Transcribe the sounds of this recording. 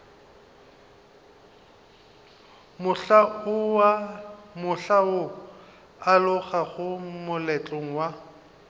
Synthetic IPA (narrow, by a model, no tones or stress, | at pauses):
mʊɬaʊamʊɬao | alʊɣaɣʊmʊlɛt͡ɬʼoŋ̩wa